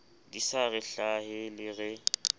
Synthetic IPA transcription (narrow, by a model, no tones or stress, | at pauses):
disaɣɪɬahɪlɪɣɛ